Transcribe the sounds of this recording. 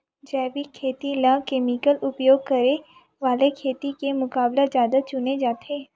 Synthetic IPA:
d͡ʒɛːbikʰeːt̪ilãkeːmikəlʊpjoːɡ̚kɐɾe | ʋaːlekʰeːt̪ikemʊkaːblezjaːd̪at͡ʃʊned͡ʒaːt̪ʰeː

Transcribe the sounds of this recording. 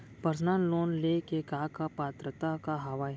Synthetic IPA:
pəɾsnaːnloːnleːkekaːkapaːt̪ɾət̪akaɦɐʋaːj

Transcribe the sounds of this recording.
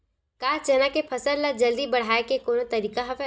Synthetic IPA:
kaːt͡ʃɐnakepʰɐsəllad͡ʒɐld̪ibɐɽ̤aːekekoːnot̪ɐɾiːkaɦɐfɛ

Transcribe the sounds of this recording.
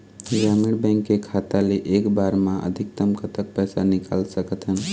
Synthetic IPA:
d͡ʒamiɽbə̃ŋkːekʰat̪aleʔekbaɾmãʔə̰d̪ʱik̚t̪əmkət̪ək̚pɛsanika̰lsəkət̪ɦən

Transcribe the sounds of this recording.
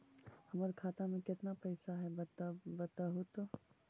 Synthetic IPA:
hɐmaɾkʰaːt̪amẽkɪt̪napɛjɪsaɦɛb̪bɐt̪aɦʊt̪

